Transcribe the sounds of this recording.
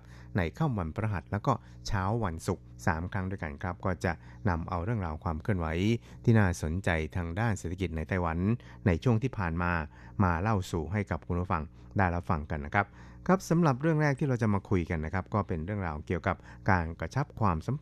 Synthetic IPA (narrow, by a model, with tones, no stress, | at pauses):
p̚ | na˧jkʰaː˥˩mwa˧npʰɾa˧ɦa˨˩t̪̚lɛː˦˥wkɔː˥˩ | t͡ɕʰaː˦˥wːa˧nsu˨˩k̚saː˩˦mkʰɾa˦˥ŋdu˥˩jka˧nkʰɾa˦˥p̚kɔː˥˩t͡ɕa˨˩ | na˧mʔa˧wɾɯ˥˩əŋɾaː˧wkʰwaː˧mkʰɯ˥˩ənwa˩˦j | t̪ʰiː˥˩naː˥˩so˩˦nt͡ɕa˧jt̪ʰaː˧ŋdaː˥˩nseː˨˩t̪ʰa˧ki˨˩t̪̚na˧˩jt̪a˧˩jwa˨˩˦nː | a˧jt͡ɕʰu˥˩əŋt̪ʰiː˥˩pʰaː˨˩nmaː˧maː˧la˥˩wsuː˨˩ɦa˥˩jka˨˩p̚kʰu˧nʰu˥˩fa˧ŋ | daː˥˩jɾa˦˥p̚fa˧ŋka˧nːa˦˥kʰɾa˦˥p̚ | kʰɾa˦˥p̚sa˨˦mɾa˨˩p̚ɾɯ˥˩əŋɾɛː˥˩k̚t̪iː˥˩ɾa˧wt͡ɕa˨˩maː˧kʰu˧jka˧nːa˦˥kʰa˦˥p̚kɔː˥˩pe˧nɾɯ˥˩əŋɾaː˧wki˨˩əwka˨˩p̚kaː˧nkɾa˧t͡ɕʰa˦˥p̚kʰwaː˧msa˨˦m